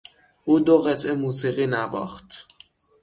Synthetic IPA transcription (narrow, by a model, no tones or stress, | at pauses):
ʔuːd̪oɣet̪ʰemuːsiːɣiːnævɒ̰ːxt̪